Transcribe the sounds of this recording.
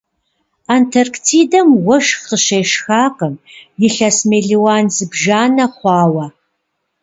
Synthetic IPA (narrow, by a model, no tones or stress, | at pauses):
antʰɐrktʰiːdɐmwɐʃqəʃejʃxaːqəmjɪɬɐsmeːɮiwaːnzɨbʒaːnɐχʷɑːwɐ